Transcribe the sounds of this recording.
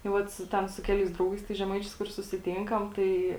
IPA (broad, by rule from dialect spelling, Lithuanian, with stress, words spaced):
tɐɪ ˈʋɐt sʊ ˈtʲɛn sʊ ˈkʲæːlʲɛɪs ˈdrɐʊɡɐɪs tɐɪs ʒʲɛˈmɐɪt͡ʃʲɛɪs kʊr sʊsʲɪˈtʲɪŋkɐm ˈtɐɪ